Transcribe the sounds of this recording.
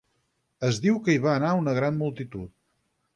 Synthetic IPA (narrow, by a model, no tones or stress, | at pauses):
əzðiwkəiβaːnaunəɣ̞ɾanmulˠt̪it̪ut̪̚